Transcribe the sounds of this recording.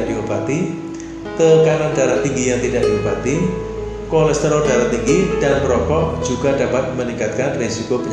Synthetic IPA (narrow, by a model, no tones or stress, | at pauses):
d̥iupat̪i | t̪əkanandaɾat̪ːiŋɡijaŋt̪idaʔ̚d̥iupat̪i | kɔlɛst̪əɾɔdaɾat̪ːiŋɡid̥anməɾɔkɔʔd͡ʒuɡadapat̪̚məniŋkat̪̚kanresikobə